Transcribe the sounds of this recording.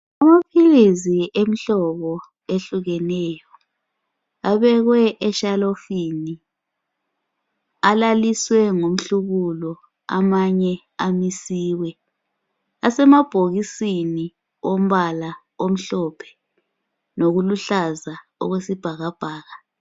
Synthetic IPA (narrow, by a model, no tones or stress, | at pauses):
amapʰiliziem̩ɬɔβɔ | eɬuɣɛnɛːjɔ | aβɛɣwɛʔɛʃalofini | alaliswɛŋom̩ɬuɣulɔ | a̰maɲɛ | amisiːwɛ | asɛmab̥ʱoɣisini | om̩βala | om̩ɬɔpʰɛ̥ | noɣuluɬaza | ɔ̰ɣwesib̥ʱaɣab̥ʱaːɣa